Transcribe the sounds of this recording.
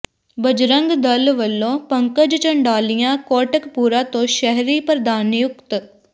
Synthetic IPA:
bəd͡ʒɾə̃ŋɡd̪əlʋəlːõːpəŋkəd͡ʒt͡ʃəɳɖaːlijãːkɔːʈəkpuːɾaːt̪õːʃɛɦɾiːpəɾd̪aːnjʊkt̪

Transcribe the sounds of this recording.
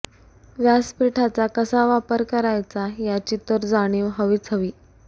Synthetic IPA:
ʋjaspɾiʈʰat͡sakəsaʋapəɾkəɾajt͡sajat͡ɕit̪əɾd͡zaɽ̃iːʋɦəʋiːt͡sʰəʋiː

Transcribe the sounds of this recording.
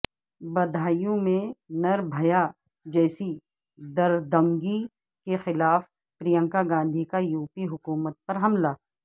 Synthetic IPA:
bɐd̪ʱaːjõmẽnɐɾbʱɐja | d͡ʒɛːsi | d̪ɐɾd̪ɐ̃ŋɡi | kexɪlaːf | pɾijə̃ŋkaɡãːnd̪ʱikajuːpiɦʊkuːmət̪̚pɐɾɦɐmlaː

